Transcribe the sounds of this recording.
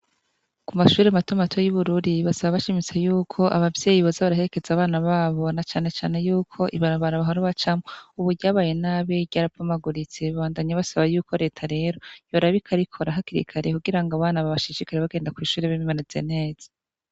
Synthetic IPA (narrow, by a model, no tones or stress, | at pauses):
kumaʃuːɾematomatʰo̞juβuɾuɾiβasaβaβaʃimit͡sejuːkʰo̞ʔa̰βavje̞ːjiβozaβaɾahe̞ɾe̞ke̞zaːβaːnaβaːβo̞nat͡ʃaːne̞t͡ʃaːne̞juːkʰo̞ʔiβaɾaβaɾaβaɦaɾuβat͡ʃamouβuɾɟaːβaːje̞naːβeɟaːɾavamaɡuɾit͡seβaβaːndaɲaβasaβajuːkʰo̞ɾe̞ːtʰaɾe̞ɾo̞joɾaβikʰaɾikʰo̞ɾaɦakiɾḭkʰaɾe̞kuɡiɾaŋɡaβaːnaβaβaʃiʃikaɾeβaɡe̞ːndakwiːʃuːɾeβiimanit͡sḛne̞ːz̥ḁ